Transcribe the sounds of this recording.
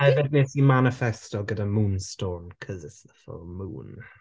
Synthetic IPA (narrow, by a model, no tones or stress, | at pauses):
hɛvɪdnɪtimanɪfɛstɔɡədamuːnstɔːnkʰəzɪsəfɔ̰lmṵːn